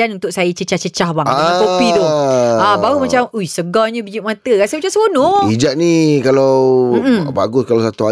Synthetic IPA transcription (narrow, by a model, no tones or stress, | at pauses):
anunt̪ʊʔ̚sajət͡ʃət͡ʃaht͡ʃət͡ʃahbaŋapopidʊabaɾumat͡ʃamuisəɡaɲəbid͡ʒiʔmat̪əkasəbət͡ʃasəbonɔid͡ʒaʔ̪̚nĩkalam̩m̩baɡʊskalasat̪ua